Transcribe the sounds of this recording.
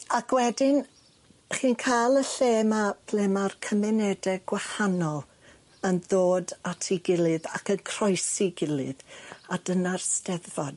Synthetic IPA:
akʰwɛdɪn | χiːnkʰajlˠəɬeːmab̥ʰlɛmarkʰəmɛnɛdɛɡwahanɔlˠ | ənðoːdatʰiɡɪlˠɨða̰kənkʰr̥ɔjsiɡɪlˠɨ̰ðadənarstɛðvɔd

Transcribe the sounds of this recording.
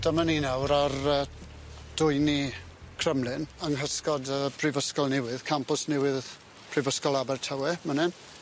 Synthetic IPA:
d̥əmaninawɾarəː | d̥ʊɨnikʰrəmlˠɨnəŋɦəskɔdəːb̥rɪvəskɔlˠnɪwɨðkʰampʊsnɪwɨð | b̥rɪvəskɔlˠabɛrtʰawɛmənɛn

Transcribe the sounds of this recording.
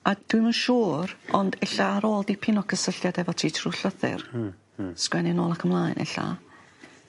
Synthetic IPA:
ad̥wimənʃuːrɔndɛɬaːɾoːlˠdipʰɪnɔkʰəsəɬjadɛvɔtʰiːtʰrʊɬəθɪ̰r | skwɛnɪnɔːlˠakʰəmlˠaːjnʔɛ̰ɬa̰

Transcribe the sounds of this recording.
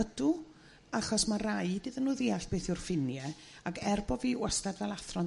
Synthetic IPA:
ədu | aχɔsmarajdɨðənːuːðiːaɬb̥eːθʊrfɪnjɛ | akɛrbɔviːwastadvɛlˠaθrɔ

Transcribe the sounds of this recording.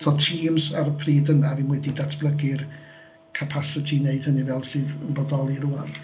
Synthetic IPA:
ðɔtʰiːmsarpʰriːdənavimwɛdidatʰb̥lˠəɡɪr | kʰəpʰasɪtʰineɨd̥hənivɛlˠsɨːðənbɔdɔlˠiɾʊar

